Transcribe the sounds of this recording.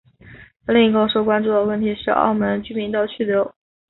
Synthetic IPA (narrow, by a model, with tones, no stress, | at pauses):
li˥˩ŋi˧˥kə˥˧˩ʂo˥kwa˥nʈ͡ʂu˥˩d̪ə˩wə˥˩nt̪ʰi˧˥ʂɻ̩˥˧ɑ̰˥˩ʊmə˧˥nt͡ɕy˥˩mi˧˥ŋt̪ɑ˥˧ʊt͡ɕʰy˥˩ljo˧˥ʊ